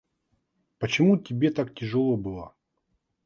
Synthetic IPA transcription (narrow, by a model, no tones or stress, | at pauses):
pət͡ɕɪmutʲɪbʲet̪aktʲɪʐɨlˠobɨlˠə